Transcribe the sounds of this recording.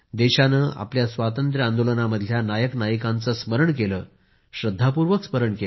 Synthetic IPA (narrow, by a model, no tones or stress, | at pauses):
d̪eɕanəːʔa̰pljasʋat̪ənt̪ɾəand̪olənaməd̪ʱljanajəknajəkant͡səːsməɾəɳkeləː | ɕɾəd̪ʱːapuɾʋəksməɾəɳke